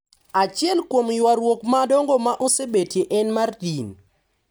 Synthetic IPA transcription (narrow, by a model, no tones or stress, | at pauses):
at͡ʃɪɛlkwomjwaɾwokmadɔŋɡɔmaʔosebetjeʔɛnmardin